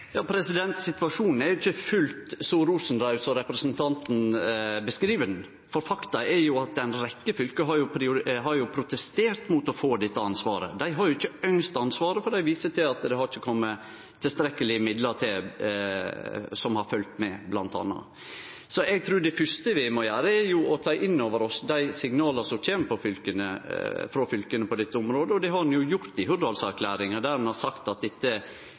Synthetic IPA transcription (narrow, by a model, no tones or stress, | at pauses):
jɑːpʰɾɛsɪd̪ɛnt̪sɪt̪ʋɑʂuːnn̩æɾjʊɪçːəfʉlt̪sɔɾuːsn̩d̪ɾɑʉʋsɔɾɛpɾɛsənt̪ʰɑnt̪n̩bəskɾiːʋənn̩ | fɔɾfɑkt̪ɑɛɾjʊɑt̪̚d̪ɛnɾɛkːəfʏlkəɦɑɾjʊpʰɾɪʊɾɦɑɾjʊpʰɾʊt̪ɛst̪eːɾt̪mʊt̪ɔfoːd̪ɛt̪ːəɑnsʋɑ̰ːɾə̰d̪æɪɦɑɾjʊɪçːəœŋst̪ɑnsʋɑːɾəfɔɾɖæɪʋiːsət̪ʰɪlɑt̪d̪ɛhɑɾɪt͡ʃːəkʰɔmːə | t̪ʰɪlst̪ɾɛkːəlɪəmɪd̪ləɾt̪ʰɪl | sɔmhɑɾfœlt̪mɛblɑnt̪ɑ̰nːɑ̰ | sɔʔɛɡ̚t̪ʰɾʉːd̪ɛfʏst̪əʋɪmɔjæːɾəæɾjʊɔt̪ʰɑːʔɪnːoːʋəɾɔsd̪æɪsɪŋnɑːləsɔmc͡çeːnəpʰɔfʏlkənə̰fɾɔfʏlkənəpʰɔd̪ɪt̪ːəʊmɾoːd̪əɔd̪ɛɦɑdnjʊjʊɾt̪ɪhʉɾd̪ɑlsæɾkʰlæːɾɪŋəd̪æɾmɛnhɑɾsɑkt̪ɑt̪̚d̪ɛt̪ːə